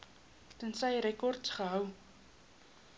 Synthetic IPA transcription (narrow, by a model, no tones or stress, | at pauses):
tənsəjɾɛkɔrtsχəɦœw